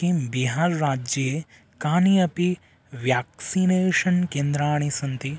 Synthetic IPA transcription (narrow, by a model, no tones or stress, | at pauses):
ibiɦaːɾːaːd͡ʒjɐe | kaːniɐpi | ʋjaːksineːʃɐnkeːnd̪ɾaːɳ̃isɐnt̪i